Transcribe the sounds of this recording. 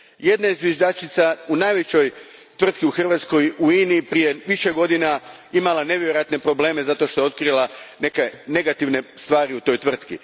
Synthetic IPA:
je̞d̪naizʋjeʒd̪at͡ʃit̪saunajʋet͡ɕo̞jt̪ʋr̩t̪kiuxr̩ʋat̪sko̞juiːniːpɾije̞ʋiʃe̞ɡo̞d̪inaimalˠane̞ʋjeɾo̞jat̪ne̞pɾo̞ble̞ːme̞zat̪o̞ʃt̪o̞jeo̞t̪̚kɾilˠane̞kene̞ɡat̪iʋne̞st̪ʋaːɾiut̪o̞jt̪ʋr̩t̪kḭ

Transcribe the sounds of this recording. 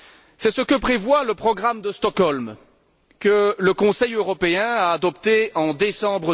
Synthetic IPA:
sɛsəkəpχevwaləpχɔɡʁamd̪əst̪ɔkɔlm | kələkɔ̃sɛjøʁɔpeɛ̃aːd̪ɔpt̪eɑ̃d̪esɑ̃bʁə

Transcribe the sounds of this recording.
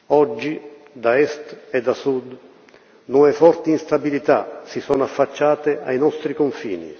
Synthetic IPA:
ɔd͡ʒːi | d̪aɛst̪ɛd̪asud̪ | nuɛfɔɾt̪iinst̪abilit̪a̰sisɔnafːat͡ʃːaːt̪eajnɔst̪ɾikoɱfḭːnḭ

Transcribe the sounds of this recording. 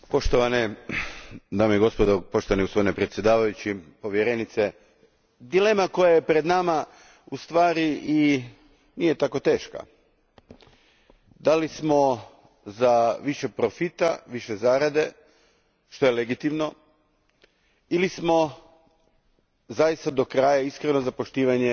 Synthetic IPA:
po̞ʃt̪oʋane | d̪aːmoiɡo̞spod̪opoʃt̪oʋaniust̪ojnepɾet̪sje̞d̪aːʋajut͡ɕipo̞ʋjeɾenit̪se | d̪ile̞ːmako̞jajepɾe̞d̪nama | ust̪ʋaːɾii | nije̞t̪ako̞t̪e̞ːʃka̰ | d̪alismo̞ | zaʋiʃe̞pɾofit̪aʋiʃezaːɾad̪e̞ | ʃt̪o̞jeleɡit̪imno̞ | ilismo̞ | zajist̪ad̪o̞kɾaːjaiskɾeno̞zapo̞ʃt̪iːʋaɲe

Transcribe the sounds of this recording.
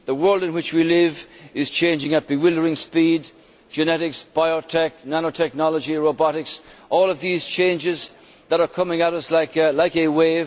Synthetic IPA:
ðəwɜ˞lˠdɨ̃nwɨt͡ʃwilɪvɪz̥t͡ʃʰẽɪ̃nd͡ʒɪ̃ŋɨt̚b̥ɨwɪlˠdə˞ɪ̃ŋspid | d͡ʒɨnɛɾɪksb̥aɪɔtʰɛk̚nænoʊtʰɛk̚nɑlˠəd͡ʒiɹoʊbɑɾɪksʔɔːlˠʌvðiz̥t͡ʃʰẽɪ̃nd͡ʒɪz | ðəɾə˞kʰʌmɪ̃ŋəɾʌslaɪklaɪkɨweɪv

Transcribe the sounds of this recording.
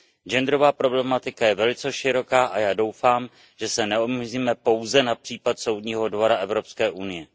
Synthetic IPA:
d͡ʒɛnd̪ɾovaːpɾo̞blɛmat̪ɪkajɛvɛlɪt͡sɛʃɪɾo̞kaːʔajaːdo̞wfaːm | ʒ̥ɛsɛnɛomiziːmɛpo̞wzɛnapr̥iːpat̪so̞wdɲiːɦo̞dvo̞ɾaʔɛvɾo̞pskɛːʔunɪjɛ

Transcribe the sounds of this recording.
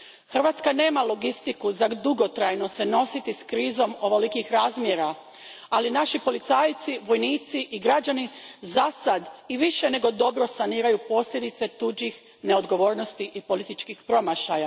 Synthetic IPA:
xərʋaːt̪skane̞ːmalo̞ɡist̪ikuzad̪uɡo̞t̪ɾajno̞se̞no̞sit̪iskɾiːzo̞mo̞ʋolikixɾaːzmjeɾa | alinaʃipo̞lit̪saːjt̪siʋo̞jniːt̪siʔiɡɾad͡ʑanizasad̪iʋiʃe̞ne̞ɡo̞d̪o̞bɾo̞saniːɾajupo̞sʎʲe̞d̪it̪se̞t̪ud͡ʒix | ne̞o̞d̪ɡo̞ʋo̞ːɾnost̪iʔipo̞lit̪it͡ʃkixpɾo̞maʃaja

